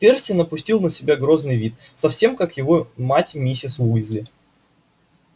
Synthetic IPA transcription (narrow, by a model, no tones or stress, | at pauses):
pʲersʲɪnəpʊsʲtʲilˠnəsʲɪbʲaɡɾo̞znɨjvʲit̪sɐfsʲe̞mkakjɪvo̞matʲmʲisʲɪsuɪzʲlʲɪ